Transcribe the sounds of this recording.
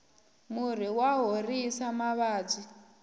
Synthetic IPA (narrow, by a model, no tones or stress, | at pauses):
mur̤iwaɦorisamaβaːd͡zi